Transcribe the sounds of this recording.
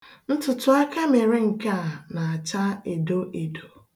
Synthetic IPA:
n̩˦tʊ˨tʊ˦a˦ka˦me˨ɾe˦ŋ̩˨ka˦˨na˨a˨t͡ʃa˦e˨do˦ʔe˨do˨

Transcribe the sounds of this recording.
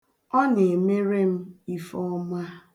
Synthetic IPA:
ɔ˦ne˨me˦ɾe˦m̩˦i˦fɔ˦ma˦

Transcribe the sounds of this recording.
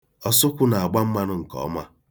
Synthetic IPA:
ɔ˦sʊ˦kʷʊ˦na˨a˨ɡ͡ba˦m̩˦ma˦nʊ˦ŋ̩˨kɔ̰˨˦ma˦

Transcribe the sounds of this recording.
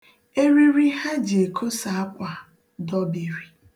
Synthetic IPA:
e˦ɾi˦ɾi˦ɦa˦d͡ʒi˨e˨kʰo˦sa˨a˦kʷa˨ | dɔ˦bi˨ɾi˨

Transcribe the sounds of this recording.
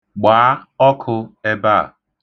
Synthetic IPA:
ɡ͡baː˨˦ɔ˦kʰʊ˧e˦ba˦˨

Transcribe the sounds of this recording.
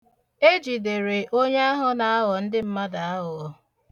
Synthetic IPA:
e˦d͡ʒi˨de˨ɾe˨ʔo˦ɲe˦a˦ɦʊ˦na˨a˦ɦɔ˨n̩˦dɪ˦m̩˦ma˦da˨a˦ɦʊ˨ɔ˦

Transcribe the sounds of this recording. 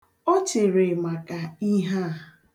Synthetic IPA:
ɔ˦t͡ʃe˨ɾe˨ma˨ka˨i˦ɦa˦˨

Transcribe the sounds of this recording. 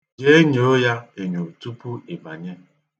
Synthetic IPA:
ɡe˦e˦ɲo˨o˦ja˦e˨ɲo˨tu˦pu˦e˨ba˨ɲe˦

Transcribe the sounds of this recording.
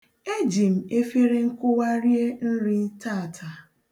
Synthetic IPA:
e˦d͡ʒi˨m̩˨e˦fe˦ɾe˦ŋ̩˦kʊ˦wa˦ɾje˦n̩˦ɾɪ˦ta˦˨tʰa˨

